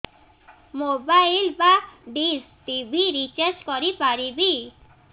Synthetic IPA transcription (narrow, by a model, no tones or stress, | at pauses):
mobajlbaɖis | ʈibʱiɾit͡ʃaɾskɔɾipaɾibi